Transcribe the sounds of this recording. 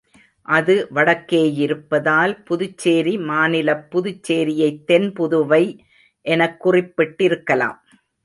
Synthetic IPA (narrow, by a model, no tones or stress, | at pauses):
ʔɐðɯʋɐɽɐkːeːjɪɾɯpːɐðaːlpʊðɯt͡ʃːeːɾimaːnɪlɐpːʊðɯt͡ʃːeːɾɪjɐɪt̪ːɛnpʊðɯʋɐɪ | ʔɛnɐkːʊrɪpːɪʈːɪɾɯkːɐla̰ːm